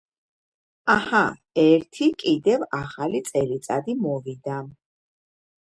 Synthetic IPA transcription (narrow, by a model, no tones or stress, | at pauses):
aha | ɛɾt̪ʰikʼid̪ɛvaχalit̪sʼɛlit̪sʼa̰d̪imɔvid̪a